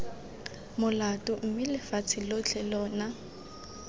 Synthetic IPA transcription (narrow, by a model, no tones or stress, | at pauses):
mʊlatʼʊm̩mɪlɪfat͡sʰɪlot͡ɬʰʼɛlɔːna